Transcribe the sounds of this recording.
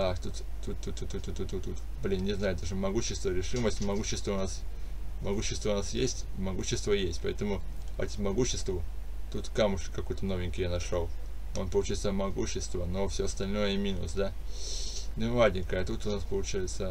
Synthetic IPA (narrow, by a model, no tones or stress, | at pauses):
axt̪ut̪t̪ut̪ːut̪ːut̪ːut̪ːut̪ːut̪ːut̪ːut̪ | blʲinnʲɪznajʊd̪aʐɨmɐɡuɕːɪst̪vəɾʲɪʂɨməsʲtʲmɐɡuɕːɪst̪vəʊnasmɐɡuɕːɪst̪vəʊnasjesʲtʲmɐɡuɕːɪst̪vəjesʲtʲpɐɛt̪əmʊɐ̰tʲmɐɡuɕːɪst̪vʊ | t̪ut̪kamʊʂkkːɐkojt̪ənovʲɪnʲkʲɪjanɐʂolˠo̰npəlˠʊt͡ɕajɪt̪səmɐɡuɕːɪst̪vənofsʲoɐst̪ɐlʲno̞jəmʲinʊ̰sd̪a | nʲɪmadʲɪnʲkəjəɐt̪ut̪ʊnaspəlˠʊt͡ɕajɪt̪sə